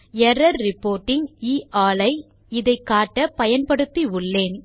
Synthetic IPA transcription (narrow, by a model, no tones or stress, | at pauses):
ɛɾɐɾɾɪpːoːɾʈːɪŋiːʔaːlɐɪ | ɪðɐɪkːaːʈːɐpɐjɐnpɐɽɯt̪ːiʊɭːeːn